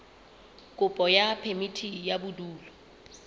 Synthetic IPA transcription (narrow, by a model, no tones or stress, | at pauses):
kʼʊpʼɔjapʰemitʰijabʊduːlɔ